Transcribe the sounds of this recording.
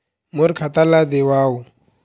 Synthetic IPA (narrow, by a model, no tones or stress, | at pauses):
muɾkʰat̪alad̪ewaːu